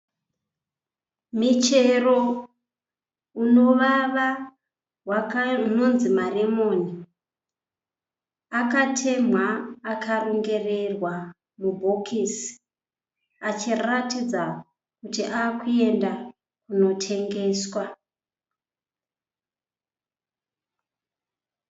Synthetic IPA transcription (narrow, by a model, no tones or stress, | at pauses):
mit͡ʃe̞ro̞ | uno̞ʋaʋa | wano̞nzimare̞moːni | akatʰe̞mwaːkʰaruŋɡe̞re̞rwa | mubʱokʰisi̥ | at͡ʃiratid͡za | kutiʔaːkue̞nda | kuno̞tʰe̞ŋɡe̞ːswa